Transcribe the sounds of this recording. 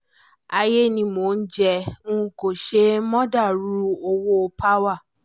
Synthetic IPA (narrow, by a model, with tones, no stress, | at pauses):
a˧je˦˨nĩ˧mo˨n̩˦d͡ʒɛ˧ũ˦ũ˦ko˨ʃe˦mɔ̃˦da˦˨ɾu˦o˧wo˦o˧pʰa˦wa˦˨